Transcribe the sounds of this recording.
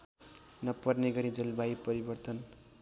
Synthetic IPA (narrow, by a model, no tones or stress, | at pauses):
nʌpʌrneɡʌɾid͡zʌlbaipʌɾibʌrt̪ʌn